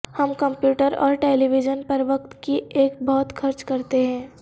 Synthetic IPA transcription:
hɐmkɐ̃mpjuːʈəɾɔ̰ːɾʈeːliʋɪd͡ʒənpɐɾʋɐk̚t̪kieːk̚bɔːt̪xʰɐɾt͡ʃkɐɾt̪eɦɛ̃ː

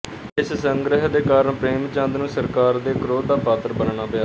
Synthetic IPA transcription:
ɪssəŋɡɾɪɦd̪eːkaːɾəɳpɾeːmt͡ʃãːnd̪nũːsəɾkaːɾd̪eːkɾoːd̪aːpaːt̪əɾbənɳaːpɪjaː

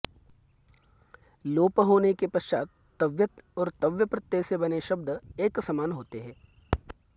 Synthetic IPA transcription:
loːpəɦoːnekepɐʃt͡ʃaːt̪ːɐʋjət̪ɔːɾt̪ɐʋjəpɾɐt̪jeːsebɐneʃɐb̚d̪ʱeːksɐmaːnɦoːt̪eɦɛ̃ː

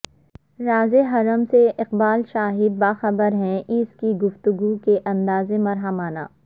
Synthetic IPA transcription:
ɾaːzeɦɐɾəmseʔɪqbaːlʃaːɦɪbːaːxɐbəɾɦɛ̃ʔɪskiɡʊft̪ʊɡukeʔɐ̃nd̪aːzemɐɾɦəmaːna̰ː

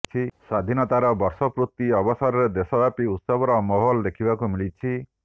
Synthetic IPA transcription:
t͡ʃʰisad̪ʱinɔt̪aɾɔbɔɾsɔpɾut̪ːiɔbɔsɔɾɔɾed̪esɔbapiut̪sɔbʱɔɾɔmɔɦɔlɔd̪ekʰibakumilit͡ʃʰi

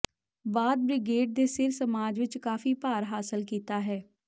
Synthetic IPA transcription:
baːd̪̚bɾɪɡeːɖ̚d̪eːsɪɾsəmaːd͡ʒʋɪt͡ʃkaːfiːpaːɾɦaːsəlkiːt̪aːɦɛː

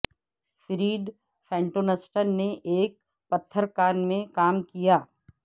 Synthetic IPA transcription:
fɪɾiːɖ | fɛ̃ːɳʈoːnəsʈənneʔeːk̚ | pɐt̪ʰːəɾkaːnmẽkaːmkijaː

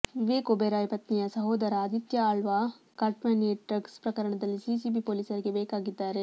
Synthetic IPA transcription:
ʋiʋeːkobeɾaːjpɐt̪nijɐsɐɦoːd̪ɐɾɐːd̪it̪jɐaːɭʋɐ | kɐʈmɐneːʈɾɐkspɾɐkɐɾɐɳɐd̪ɐlːisisibipoːliːsɐɾiɡe̞bɛːkaːɡid̪ːaːɾe̞

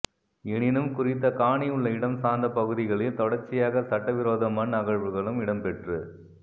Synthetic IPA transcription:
ɪɳɪnɯmkʊrɪt̪ːɐkaːɳɪjɯɭːɐɪɽɐmsaːnd̪ɐpɐɣɯðɪɣɐɭɪlt̪ɔɽɐɾt͡ʃːɪjaːɣɐsɐʈːɐʋɪɾoːðɐmɐnːɐɣɐɻʋɯɣɐɭɯmɪɽɐmpɛʈrɯ

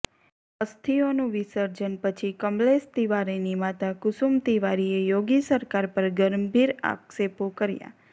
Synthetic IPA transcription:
əst̪ʰionũʋisəɾd͡ʒənpət͡ʃʰikəmlest̪iʋaɾinimat̪akʊsumt̪iʋaɾiejoɡisəɾkaɾpəɾɡəɾmbʱiɾa̰ksepokəɾja̰

